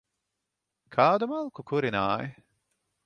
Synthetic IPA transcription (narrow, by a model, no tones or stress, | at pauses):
kʰaːd̪umalˠkukuɾinaːj